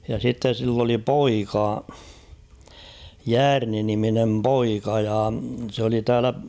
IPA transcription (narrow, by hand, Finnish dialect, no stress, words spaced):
jɑ sitːe silː oli poikɑ jæːrni niminem poikɑ jɑ s oli tæːlæ